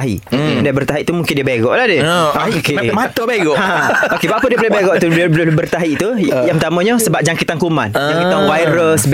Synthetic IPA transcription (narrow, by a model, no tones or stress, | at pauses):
ɦḭdabərt̪aɦiʔt̪umũŋkɪndiəbeɡɔʔladəkemat̪obeɡɔʔãokebapədiəbolebeɡɔʔt̪ublʊbərt̪aɦiʔt̪ujãŋpt̪amõɲasəbap̚d͡ʒaŋkit̪ankumã̰nd͡ʒaŋkit̪anwajɾəsb